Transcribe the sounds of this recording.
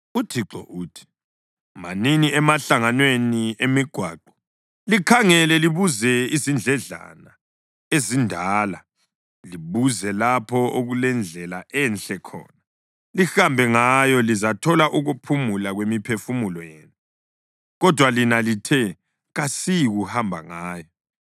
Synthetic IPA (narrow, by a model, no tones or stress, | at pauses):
utʰiǀɔ̰ʔuːtʰi̥ | ma̰niniɛmaɬaŋanweniemiɡ̥ʱwa̰ːǃɔ̥ | likʰaŋɛlɛliβuzɛizind͡ɮʱɛɮa̰na | ezindʱaːla | liβuzɛlapʰɔoɣulɛnd͡ɮʱɛlaʔɛnɬɛkʰɔ̰ːna | lixambʱɛŋajɔlizatʰɔlaʔuɣupʰumulaɣwemipʰefumulɔjḛːnu | ɣɔd̥ʱwalinalitʰɛ | ɣasiɣuhambʱa̰ŋaːjɔ